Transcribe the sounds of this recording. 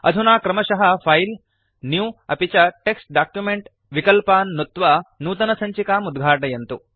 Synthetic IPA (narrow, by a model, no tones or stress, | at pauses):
ɐ̰d̪ʱunaːkɾɐmɐʃɐɦɐpʰɐjl | njuːɐpit͡ʃɐʈeksʈ̚ɖaːkjumeɳʈ | ʋikɐlpaːnːut̪ʋɐnuːt̪ɐnɐsɐɲt͡ʃikaːmud̪ɡʱaːʈɐjɐnt̪u